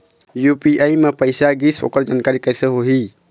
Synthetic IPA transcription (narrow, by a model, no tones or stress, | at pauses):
jupiʔajmepəjsaɡiso̰ːkəɾd͡ʒankaɾikəjsəɦoɦi